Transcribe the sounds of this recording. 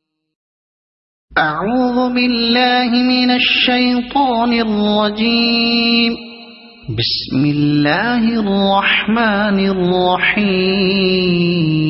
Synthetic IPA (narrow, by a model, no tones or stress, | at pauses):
ʔaʕuːðʊbɪlːaːhɪmɪnaʃːajt̪ˤɑːnɪrˤːɑd͡ʒiːm | bɪsmɪlːaːhɪɑrˤːɑħmaːnɪrˤːɑħiː